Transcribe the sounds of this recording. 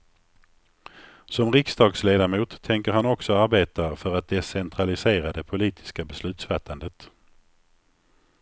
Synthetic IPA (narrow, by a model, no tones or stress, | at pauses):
sɔmɾɪksd̪ɑːɡsleːd̪amuːt̪ʰːɛŋkəɾhanɔksɔaɾbeːt̪afœɾat̪̚d̪ɛsɛnt̪ʰɾalɪseːɾad̪ɛpʰʊliːt̪ʰɪ̥skabɛslʉ̟ːt̪sfat̪ʰːand̪ət̪